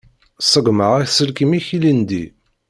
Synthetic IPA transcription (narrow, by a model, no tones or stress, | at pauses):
sˤəɡməʁiθsəlkəmiçilind̪ḭ